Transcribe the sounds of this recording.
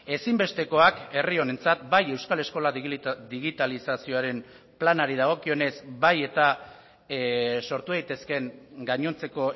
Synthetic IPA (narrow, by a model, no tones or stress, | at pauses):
e̞simbe̞st̪e̞ko̞ake̞rio̞ne̞nt͡sat̪̚baje̞wskale̞sko̞lad̪iɣit̪alisasio̞aɾe̞m | planaɾiðaɣ̞o̞kio̞ne̞zbaje̞t̪a | so̞ɾt̪uðajt̪e̞ske̞ŋɡaɲo̞nt͡se̞ko̞